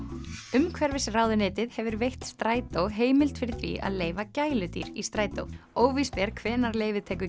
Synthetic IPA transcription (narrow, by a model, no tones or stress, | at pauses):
ʏmkʰvɛɾvɪsɪraːwðʏnɪːt̪ɪðhɛvʏɾvejht̪st̪ɾaːjt̪owɦeːjmɪlt̪fɪɾɪ̥θvḭʔa̰ðleːjvacaːjlʏt̪ḭɾist̪ɾaːjt̪o̰woːwvispɛɾ̥kʰvɛːnaɾleːjvɪðt̪ʰɛːk̬ʏ